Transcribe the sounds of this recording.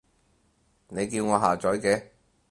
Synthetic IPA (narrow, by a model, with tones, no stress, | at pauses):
ne˨˧jkiː˧wŋɔː˨˧ɦaː˨t͡ʃɔː˨˥jkɛː˧